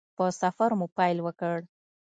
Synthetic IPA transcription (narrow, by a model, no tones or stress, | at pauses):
pəsafaɾmupɑjlwəkəɽ